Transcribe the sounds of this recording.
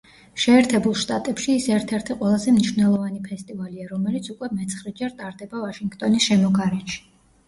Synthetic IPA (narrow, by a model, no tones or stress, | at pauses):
ʃɛːɾt̪ʰɛbulˠʃt̪ʼat̪ʼɛpʃiːsɛɾt̪ʰɛɾt̪ʰiqʼwɛlˠazɛmniʃvnɛlˠɔvanipʰɛst̪ʼivaliaɾɔmɛlit̪sʰukʼwɛmɛt̪sʰχɾɛd͡ʒɛɾt̪ʼaɾd̪ɛbavaʃiŋɡt̪ʼɔnisʃɛmɔɡaɾɛnʃi̥